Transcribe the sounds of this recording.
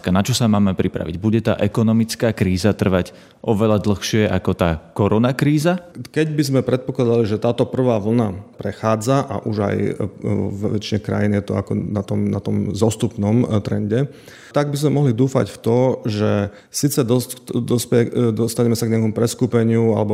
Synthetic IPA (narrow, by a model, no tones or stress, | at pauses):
kanat͡ʃɔsamaːmɛpɾipɾa̰ʋḭɟbuɟɛt̪a̰ːʔɛkɔnɔmit͡skaːkɾiːzat̪r̩ʋac | ʔɔʋɛʎad̪l̩xʃɪɛʔakɔt̪aːkɔɾɔnakɾiːzakɛɟbizmɛpɾɛt̪̚pɔklˠad̪aliʒɛt̪aːt̪ɔpr̩ʋaːʋl̩napɾɛxaːd͡zaʔa̰ʔuʒa̰jɔ̰ʋʋɛt͡ʃiɲɛkɾa̰jinjɛt̪ɔakɔnat̪ɔmnat̪ɔmzɔst̪upnɔmt̪ɾɛ̰ɲɟɛ | t̪aɡ̚bizmɛmɔɦlid̪uːfa̰cft̪ɔʒɛ | siːt͡sɛd̪ɔsd̪ɔspɛɛd̪ɔst̪aɲɛmɛsaɡɲɛakɔmupɾɛskuːpɛɲɪua̰lɛbɔ